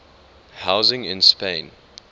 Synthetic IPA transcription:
haʊzɪ̃ŋɪ̃nspẽɪ̃n

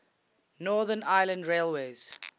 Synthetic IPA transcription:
nɔːðənaɪlə̃ndɹeːlweːz̥

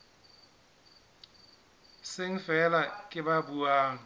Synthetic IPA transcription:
sɪŋ̩fɛlakʼɪbabuaːŋ̩

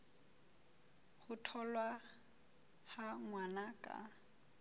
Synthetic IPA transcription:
hʊtʰɔlwa | haŋwanakʼa̰

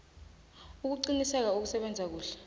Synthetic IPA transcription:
uk̬uǀinisɛk̬auk̬usɛɓɛnd͡zʱak̬uːɬɛ̥

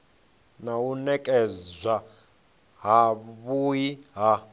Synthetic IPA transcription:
naunɛkʼɛzʷa | ɦaβujiɦa

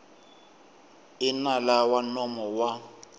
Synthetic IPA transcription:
ɪnalawanɔmɔwa

